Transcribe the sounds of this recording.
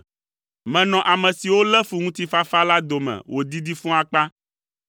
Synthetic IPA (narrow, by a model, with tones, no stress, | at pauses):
mɛ̃˨nɔ̃˨ʔa˨mɛ̃˨si˨wo˦lɛ˦fu˨ŋũ˦t̪i˦fa˦fa˦la˦d̪o˨mɛ̰̃˨wʔo˨d̪i˦d̪i˦fũ˦a˦k͡pa˦